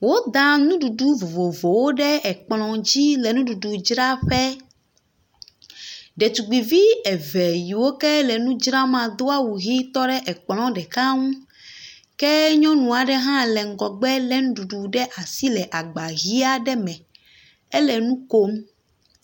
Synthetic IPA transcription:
wo˦d̪ã˦nũ˦ɖu˨ɖu˦vo˨vo˨vo˨wo˦ɖɛ˦ɛ˨k͡plɔ̃˨d͡ʑi˦lɛ˨nũ˦ɖu˨ɖu˨d͡ʒɾa˦ɸɛ˦ | ɖɛ˨tu˨ɡ͡bi˨vi˦ɛ˨vɛ˨ji˨wo˦kɛ˦lɛ˨nũ˦d͡ʒɾa˦mã˨d̪o˦a˦wu˨ɣi˦t̪ɔ˦ɖɛ˦ʔɛ˨k͡plɔ̃˦ɖɛ˨ka˦ŋũ˦ | kɛ˦ɲɔ̃˦nũ˨a˨ɖɛ˦ɦã˦lɛ˨ŋ̩˨ɡɔ˨ɡ͡bɛ˦lɛ˦nũ˦ɖu˨ɖu˨ɖɛ˦ʔa˨si˦lɛ˨ʔa˨ɡ͡ba˨ɣi˦a˦ɖɛ˦mɛ̃˨ | ɛ˦lɛ˨nũ˦ko˦m

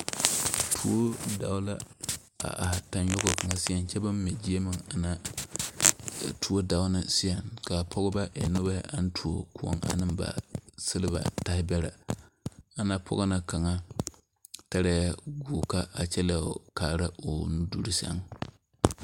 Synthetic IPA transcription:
tʰu˦o˦da̰˨wla˦ | a̰˨ʔa˨hta˨n˦jɔ˦ɡo˨ka˨ŋa˦si˦a˨nt͡ʃɛ˦ba˦mː˦ɪ˨d͡ʒi˦e˦mɨ˨ŋa˨na˦ | tʰu˦o˦da˨ʊ˦nɨ˦si˦a˨ŋka˨pʰɔ˦ɡʊ˦ba˦ʔa̰˨nʊ˦ba˦hɪ̰˦ʔa˦n˦tʰu˨o̰˨ku˦o̰˦ŋʔa̰˨nɨ˦mba̰˨sɨ˦lɨ˦ba̰˨ta˦hɪ˦bɛ˦ɾa̰˨ | a˨na˦pʰɔ̰˦ɣa˦na˨ka˨ŋa˦ | ta˦ɾɛ˦a˦ɡu˨ka˦ʔa˨t͡ʃɛ˦la˨kaː˨ɾa˦o˨n˦du˦ɾi˦sa̰˦ŋ

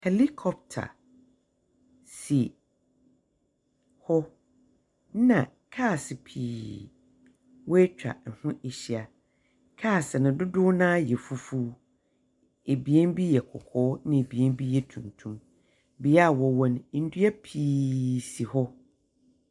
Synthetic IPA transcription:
he˨li˦kʰɔ˨p̚tʰa̰˨ | si˨ | hɔ˦ | nã˨ | kʰa˦˨sɪ˨pʰiː˨ | wɔ˦e˦t͡ɕᶣa̰˨n̩˨hʊ̃˦ʔe˨ɕi˨a˨ | kʰa˦˨sɪ˨nʊ̃˨dʊ˦dʊ˦nãː˦jɛ˨fu˦fuː˦ | e˨bi˨ɛ˦n˦bi˦jɛ˨kʰɔ̰˨kʰɔː˦nɪ̃˨e˨bi˨ɛ˦n˦bi˦jɛ˨tʰũ˨ntʰũ˦m | bi˨ja˦˨wɔ˨wɔ̃˦n˦n̩˦du˦ɛ˦pʰiː˨si˨hɔ˦

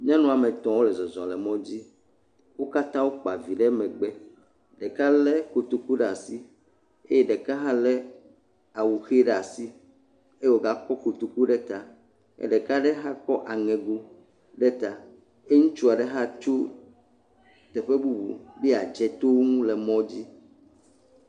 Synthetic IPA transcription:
ɲã˦nɔ̃˦˨a˨mẽ˨t̪ɔ̃˨wo˦lɛ˨zɔ˨zɔ̃˨lɛ˨mɔ̃˦d͡ʑi˦ | wo˦ka˦t̪ã˦wo˦k͡pa˨vi˨ɖɛ˦mɛ̃˨ɡ͡bɛ˦ | ɖɛ˨ka˦lɛ˦ko˨t̪u˨ku˦ɖa˨si˦ | e˦jɛ˦ɖɛ˨ka˦ɦa˦lɛ˦ | a˨wu˨xe˦ɖa˨si˦ | e˦wo˨ɡa˦kɔ˦ko˨t̪u˨ku˦ɖɛ˦t̪a˨ | ɛ̰˦ɖɛ˨ka˦ɖɛ˦ɦa˦kɔ˦ʔa˨ŋɛ̃˨ɡu˦ | ɖɛ˦t̪a˨ | e˦ŋũ˦t͡ʃu˦a˨ɖɛ˦ɦa˦t͡ʃu˦ | t̪ɛ˨ɸe˦bu˦bṵ˨bi˦a˨d͡ʒɛ˨t̪o˦wo˦ŋũ˦lɛ˨mɔ̃˦d͡ʑi˦

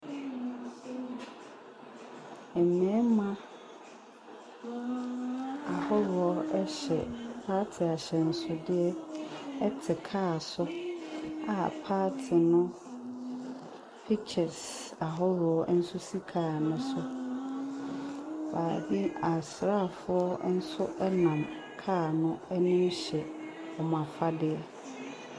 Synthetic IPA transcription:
ɛ˨mɛ̃˨˦mã˦ | a˨hɔ˦ɾʊ˨ɔ˦ɛ˦ɕɛ̰˨pʰaː˦tʰɪ˨a˨ɕɛ˨n̩˦sʊ˦dɪ˦ɛ˦ɛ˦tʰɪ˨kʰaː˦˨sʊ˦ | a˨pʰaː˦tʰɪ˨nʊ̃˦ | pʰi˦t͡ɕʰɛ˨sa˨ɦɔ˦ɾʊ˨ɔ˦n̩˦sʊ˦si˦kʰaː˦˨nʊ̃˦sʊ˦ | baː˨bi˦a˨sɾa˦˨fʊ˦ɔ˦n̩˦sʊ˦ʔɛ˦nã˨m | kʰaː˦˨nʊ̃˦ɛ˦nɪ̃˦mɕɛ˨ | ɔ˨m˨a˨fa˦dɪ˨˦ɛ˦

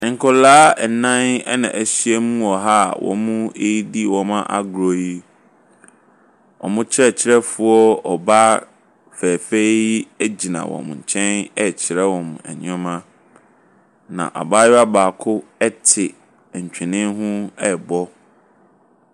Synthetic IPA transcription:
ŋ̩˨kʰʊ˨laː˦ɛ˨nã˦nɛ̰˦nã̰˨ʔæ˨ɕi˦ɛ˦mũ˦ɔ˨ɦa˦˨wʔɔ̰˨mũ˦e˦ji˦di˦wɔ̃˨mã˦ʔa̰˨ɡɾo˨ji˦ | ɔ̰˨mʊ̃˦t͡ɕʰɪ˦ɾɛ˦t͡ɕʰɪ˦ɾɛ˦fʊ˨˦ɔ˦ɔ˨ba˦ | fæː˨fe˦æ˦d͡ʑi˨nã̰˨wɔ̰̃˨m˨ɲ̩˨t͡ɕʰɛ̃˦nɛ˦t͡ɕʰɪ˨ɾɛ˦wɔ̃˨m˨ɛ̰˨ɲ˦ɔ̃˦mã˦ | nã̰˨ʔa̰˨baː˦ja˦baː˨kʰʊ˦ɛ˦tʰɪ˨ | ɲ̩˨t͡ɕᶣɛ˨nɪ̃˦ɦʊ̃˦ɛ˨bɔ˦

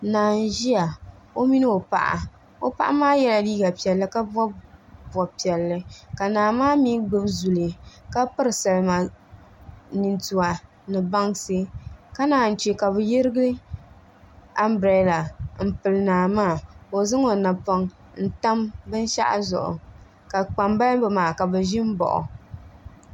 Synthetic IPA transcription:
naː˨n˨ʒi˦a˨o˦mi˦nɨ˦o˨pa̰˨ʔa̰˨ | o˦pa̰˦ʔa˦maː˦jɛ˦la˨liː˦ɡa˨pi˨ɛ˨lːɨ˦ka˦bɔ˦bɔ˨pi˨ɛ˨lːɨ˦ka˨naː˨maː˦mi˦ɡ͡bɨ˦bzu˨li˨ka˦pɨ˦ɾɨ˨sa˨lma˨ | ni˨ntu˨wa˨ | nɨ˨ba˦ŋsɨ˦ka˦naː˨˦n̩˨t͡ʃi˨ka˨bɨ˨jɪ˦ɾɨ˦ɡɨ˦ɨ˦ | a˦mbɾɛ˦la˨m̩˨pɨ˨lɨ˨naː˨maː˦˨o˨zɨ˦ŋo˨na˨pɔ˨ŋ | n̩˦ta˦mbɨ˦n˦ʃa̰˦ʔa̰˦zʊ̰˨ʔʊ̰˨ | ka˨k͡pa˨mba˦lbɨ˨maː˨ka˨bɨ˨ʒɪ˦m̩˦bɔ̰˨ʔʊ̰˨

